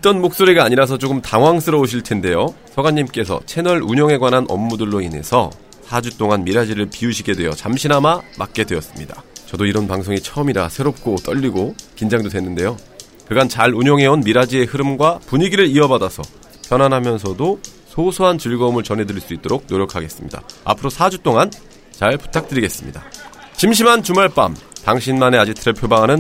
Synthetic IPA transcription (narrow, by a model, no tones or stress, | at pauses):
it͈ʌnmok̚s͈oɾeɡaːɲiɾas̬ʰʌt͡ɕ͈oɡɯmtaŋɦwaŋs͈ʰɯɾʌoɕ̬ʰiɭtʰe̞nde̞josʰʌɡaɲːimk͈e̞sʰʌ̰t͡ɕʰe̞nʌɭuɲʌŋe̞ɡwanɦanʔʌ̰mːudɯɭːoine̞̰sʰʌ̰ | sʰad͡ʑut͈oŋanmiɾad͡ʑiɾɯɭpiuɕʰiɡe̞dwe̞jʌt͡ɕamɕʰinɦamamak̚k͈e̞dwe̞ʌs͈ɯmɲidat͡ɕʌdoiɾʌnpaŋsʰoŋit͡ɕʰʌʌmiɾa̰sʰe̞ɾop̚k͈ot͈ʌʎːiɡokind͡ʑaŋdodwenːɯnde̞jo | kɯɡant͡ɕaɭuɲʌŋɦe̞onmiɾad͡ʑie̞hɯɾɯmɡwapuɲiɡiɾɯɾiʌbadasʰʌ | pjʌnɦanɦamjʌns̬ʰʌdo | sʰosʰoɦant͡ɕɯɭɡʌmɯɭt͡ɕʌnɦe̞dɯɾiɭs͈uit͈̚oɾok̚noɾjʌkʰaɡe̞s͈ɯmɲida̰a̰pʰɯɾosʰad͡ʑut͈oŋan | t͡ɕaɭpu̥tʰak̚t͈ɯɾiɡe̞s͈ɯmɲḭdaɕʰimɕ̬ʰimant͡ɕumaɭp͈a̰mtaŋɕʰinmane̞ad͡ʑitʰɯɾepʰjobaŋɦanɯn